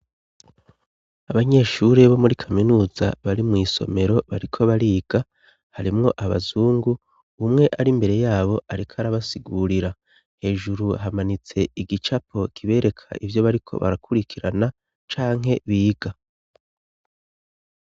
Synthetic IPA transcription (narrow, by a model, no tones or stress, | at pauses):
aβaɲe̞ːʃuɾe̞βo̞muɾikʰaminuːza̰βaɾimŋiːso̞̰me̞ɾo̞βaɾikʰo̞βaɾiːɡ̥a | haɾimŋo̞ʔaβa̰zuːŋɡu | umŋe̞ʔaɾimbe̞ɾe̞jaːβo̞ʔaɾikʰaɾaβasiɡuːɾiɾa | he̞ːʒuɾuɦamanit͡se̞iɡit͡ʃapʰo̞kʰiβe̞ːɾe̞kʰa̰ʔivjo̞βaɾikʰo̞̰βa̰ɾakʰuɾikʰiɾana | t͡ʃaːŋɦe̞βiːɡ̥a